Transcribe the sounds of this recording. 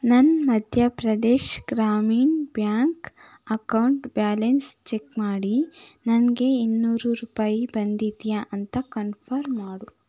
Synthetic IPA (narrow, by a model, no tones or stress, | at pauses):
nɐnmɐd̪ʱjɐpɾɐd̪eːʃɡɾaːmiːnbjaːŋk | ɐkɐwuɳʈbjaːlenst͡ʃekmaːɽinɐnɡe̞inːuːɾuɾuːpaːjibɐnd̪id̪jaʔɐnt̪ɐkɐnpʰɐɾmːaːɽu